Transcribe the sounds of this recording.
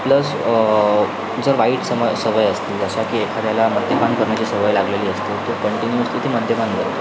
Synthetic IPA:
pləs | d͡zəɾʋaiʈsəməjsəʋəjəst̪iːləɕakiːekʰad̪jalaməd̪ʱjepankəɾɳjat͡ɕiːsəʋəjlaɡleliːəst̪iːlt̪okəɳʈinjuəst̪iːt̪ʰiːməd̪ʱjepankəɾ

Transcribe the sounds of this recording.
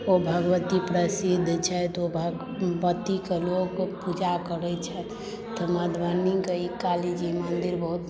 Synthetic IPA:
obʱəɡəʋət̪ipɾəsid̪ʱːt͡ʃʰɛt̪obʱ | ʋət̪ikelokpud͡ʒakəɾɛt͡ʃʰɛ | t̪ɔməd̪ʱʋanikeikalid͡ʒimənd̪iɾbəɦut̪

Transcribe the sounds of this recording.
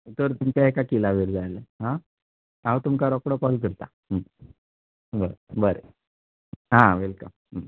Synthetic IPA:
t̪əɾt̪umt͡ɕeɦekakilaʋiɾd͡zajleɦã | aʋt̪umkaɾɔkɽəkɔlk̬əɾt̪a | ɦəm | bəɾebəɾḛ | ɦãʋelkəmɦə

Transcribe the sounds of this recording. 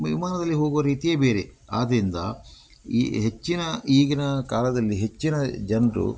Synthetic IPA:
ʋḭmaːnɐd̪ɐlːiɦo̞ːɡuʋɐɾiːt̪ije̞ːbeːɾe | a̰ːd̪ɾind̪ɐ | ḭɦet͡ʃːinɐiːɡɐnɐkaːlɐd̪ɐlːiɦe̞t͡ʃːinɐd͡ʒɐnɾṵ

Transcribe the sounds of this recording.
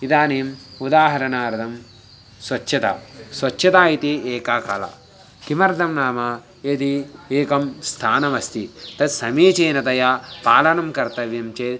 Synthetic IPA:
id̪aːneːmud̪aːɦɐɾɐnaːɾɐd̪ɐm | sʋɐt͡ʃːʃʰɐt̪a̰ːsʋɐt͡ʃːʃɐt̪aːit̪ieːkaːkalɐ̰ | kimɐɾd̪ʱɐmnaːma | et̪ieːkɐmst̪ʰaːnɐmɐst̪it̪ɐsɐmiːt͡ʃeːnɐt̪ɐjapaːlɐnɐmkɐɾt̪ɐʋjɐmt͡ʃeː

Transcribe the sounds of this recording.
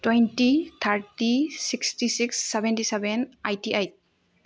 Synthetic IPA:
twɛjntit̪ʰaɾtisikstisiksːɛbɛntisɛbɛnajtiʔajt̚

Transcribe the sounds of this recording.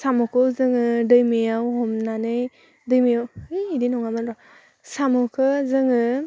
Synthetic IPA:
samɔkʰɯwzɯŋɯdɯjmijawhɔmnanɯj | dɯjmijawɯdinɔŋamanɾɔ | samɯkʰɯzɯŋɯ

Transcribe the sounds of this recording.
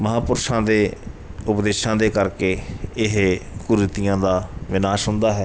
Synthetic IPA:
məɦaːpʊɾʃãːd̪eː | ʊpd̪eːʃãːd̪eːkəɾkeːɪɦkuɾɪt̪ijãːd̪aːʋɪnaːʃɦʊ̃nd̪aːɦɛː

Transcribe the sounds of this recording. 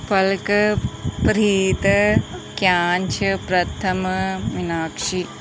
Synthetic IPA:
pɐlkɐpɾiːt̪ɐkjaːnt͡ʃʰɐpɾɐt̪ʰɐmɐʋinaːkʂi

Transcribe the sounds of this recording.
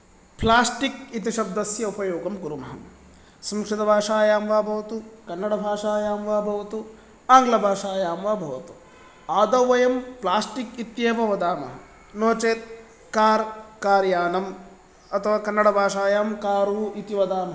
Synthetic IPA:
plaːsʈikit̪iʃɐb̚d̪ɐsjɐupɐjoːɡɐmkuɾumɐɦɐ̰m | sɐmkʂid̪ɐbʱaːʂaːjaːmʋaːbʱɐʋɐt̪ukɐnːɐɽɐbʱaːʂaːjaːmʋaːbʱɐʋɐt̪u | aːŋɡlɐbʱaːʂaːjaːmʋaːbʱɐʋɐt̪u̥ | aːd̪ɐwʋɐjɐmplaːsʈikit̪jeːʋɐʋɐd̪aːmɐ̰ɦɐ | noːt͡ʃeːt̪̚ | kaːɾkaːɾjaːnɐm | ɐt̪ʰɐʋaːkɐnːɐɽɐbʱaːʂaːjaːmkaːɾuːit̪iʋɐd̪aːmɐɦɐ

